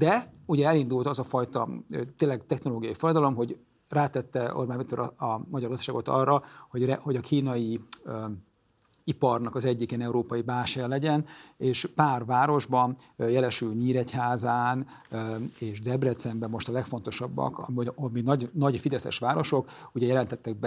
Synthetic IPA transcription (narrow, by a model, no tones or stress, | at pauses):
d̪ɛuɟɛɛlin̪d̪ult̪ɒzɒfɒjt̪ɒt̪eːnlːɛɡt̪ɛxno̞loːɡijɒifoɾɒd̪ɒlo̞mɦo̞ɟ | raːt̪ɛt̪ːɛo̰rbaːnmit̪oɾɒɒmɒɟɒrɡɒzd̪ɒ̥ʃaːɡo̞t̪ɒ̰rːɒho̞ɟrɛho̞ɟɒkʰiːnɒji | ipɒrnɒkɒzɛɟːikɛnɛuɾoːpɒjibaːʃajɒlɛɟɛneːʃpaːrvaːɾo̞ʒbɒnjɛlɛʃylɲiːɾɛchaːzaːn | eːʃd̪ɛbrɛt̪sɛmbɛmːo̞ʃt̪ɒlɛkfo̞n̪t̪o̞ʃɒbːɒ̰kɒminɒɟnɒɟfid̪ɛsɛ̰ʃʋaːɾo̞ʃo̞kuɟɛjɛlɛnt̪ɛt̪ːɛɡ̚bɛ